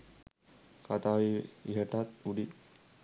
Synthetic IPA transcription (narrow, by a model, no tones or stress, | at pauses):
kat̪awiiɦɛʈat̪̚uɖi